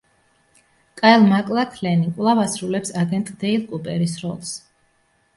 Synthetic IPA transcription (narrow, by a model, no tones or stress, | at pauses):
kʼaɛlˠmakʼlˠatʰlɛnikʼvlˠavasɾulɛpsaɡɛnt̪ʼd̪ɛilˠkʼupʼɛɾisɾɔ̰lˠs